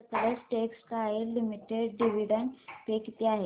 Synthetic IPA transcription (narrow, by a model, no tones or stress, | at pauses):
t̪əɾəsʈekskaelimiʈeɖɖiʋiɖə̃ɳʈpeːkt̪iaɦe